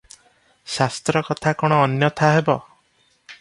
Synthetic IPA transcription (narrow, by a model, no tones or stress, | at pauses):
sast̪ɾɔkɔt̪ʰakɔɽ̃ɔːnjɔt̪ʰaɦebɔ